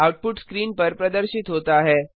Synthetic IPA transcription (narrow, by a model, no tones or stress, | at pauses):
awʈ̚puʈskɾiːnpəɾpɾəd̪əɾɕit̪ɦot̪aaɦe